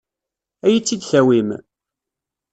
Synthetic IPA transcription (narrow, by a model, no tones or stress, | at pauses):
æjit͡sːid̪çæwim